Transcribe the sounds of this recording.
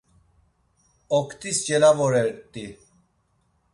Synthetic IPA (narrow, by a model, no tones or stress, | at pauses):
ɔkʰt̪ist͡ʃelavɔɾɛɾt̪i